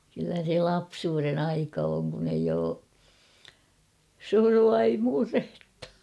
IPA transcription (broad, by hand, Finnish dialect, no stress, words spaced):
kylːæ se lɑpsuːren ɑikɑ oŋ kun eij oː suruɑ ei murhe̥tːɑ̥